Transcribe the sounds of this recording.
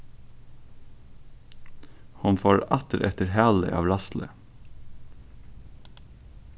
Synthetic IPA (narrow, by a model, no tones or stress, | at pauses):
hʊnfoːɹɑt̪əɾʔɛt̪əɾhæːlə̰ʔɑ̰ːʋlɑslʔə̰